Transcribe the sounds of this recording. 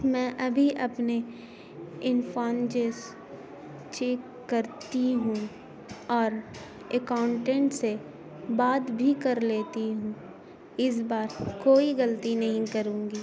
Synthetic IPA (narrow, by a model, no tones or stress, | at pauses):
mɛ̃ːʔɐbʱiʔɐpne | ɪnfaːnd͡ʒeːs | t͡ʃeːk | kɐɾt̪iɦũ | ɔːɾ | ekaːʊɳʈẽɳʈse | baːd̪bʱikɐɾleːt̪iɦũ | ɪs̬baːɾkoːiɣɐlt̪inɐɦĩkɐɾũːŋɡiː